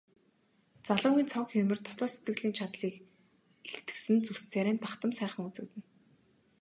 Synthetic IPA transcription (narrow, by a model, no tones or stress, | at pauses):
t͡saɮʊːŋɡʲiːnt͡sʰɔŋkxeːmɘ̆rt̪ʰɔɮɔːset̪ɡɘ̆ɣɮiːnt͡ɕʰat̪ɮiːk | eɬt̪ɘ̥̆ksɘ̆nt͡sust͡sʰeːɾeːnpaχt̪ə̆msæːχə̆ŋut͡sɘ̆kt̪ɘ̆n